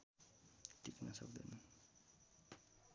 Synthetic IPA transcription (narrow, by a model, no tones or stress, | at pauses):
t̪iknasʌ̰k̚d̪ʌnʌ